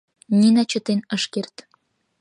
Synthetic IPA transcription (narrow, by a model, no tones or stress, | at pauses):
nʲinæt͡ɕə̆t̪enəʃkert̪